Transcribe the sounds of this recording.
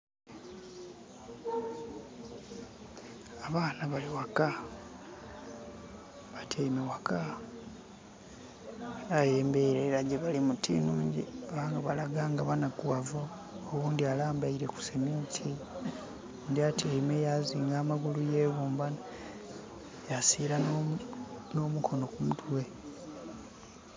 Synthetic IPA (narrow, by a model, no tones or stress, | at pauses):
aβaːnaβaliwaka | βatʰeimewaka | ajeːmbeɾelaɟeβalimutʰḭnuːɲɟḭaβaːŋɡaβalaɡaːŋɡaβanakuavoː | βuːndialaːmbaiɾe̞ku̥semitʰi | ndiatʰeimejaziːŋɡaːmaɡulujeːβuːmbana | jasiːɾa | no̞ːmukʰo̞no̞kumutwe̞